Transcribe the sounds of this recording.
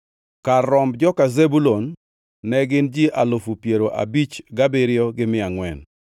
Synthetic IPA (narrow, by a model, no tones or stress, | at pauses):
karːɔmbd͡ʒɔkazebulonː | ɛɡɪnd͡ʒiʔalʊfupjeɾoʔa̰bit͡ʃɡabiɾɪɔɡɪmɪaŋwɛn